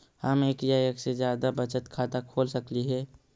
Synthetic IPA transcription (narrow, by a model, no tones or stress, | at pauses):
həmeːkjaːeksed͡ʒjaːd̪abɐt͡ʃət̪kʰaːt̪akʰoːlsɐkliɦɛː